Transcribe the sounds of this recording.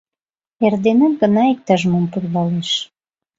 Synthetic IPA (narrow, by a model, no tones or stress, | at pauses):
erd̪enəmɡə̆nɑik̚t̪ɑʒmompurβɑleʃ